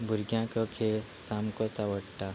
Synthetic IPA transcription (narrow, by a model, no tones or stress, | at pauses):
bʱuɾɡjãkəkʰeɭsamkɔt͡saʋəɽt̪a